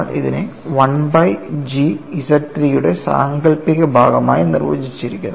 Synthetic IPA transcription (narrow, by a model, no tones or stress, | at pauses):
ɭʔḭðine | ʋɐnbɐjd͡ʑiisɐtɾijuɽe̞sa̰ːŋɡɐɭpiɣɐbʱaːɡɐma̰ːjinḭrʋɐ̰d͡ʑit͡ɕːiɾikʲːun